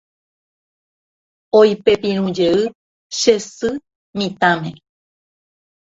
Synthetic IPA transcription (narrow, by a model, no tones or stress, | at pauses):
ojpe̞pĩɾ̃ũd͡ʒeɨ | ʃesɨ | mĩt̪ãmḛ̃